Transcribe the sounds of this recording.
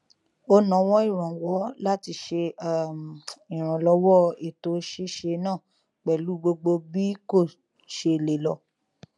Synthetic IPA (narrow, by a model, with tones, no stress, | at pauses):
o˧nã˨˦wɔ̃˦i˦˨ɾ̃ã˨wɔ˨˦la˦ti˧˦ʃe˧˨ | i˨ɾ̃ã˨lɔ˨˧˦wɔ˦e˨to˨˦ʃe˦ʃe˧nãː˦˨ | k͡pɛ˨lu˨˦ɡ͡bo˧ɡ͡bo˧bi˦ko˦˨ | ʃe˧˨le˨lɔ˧˦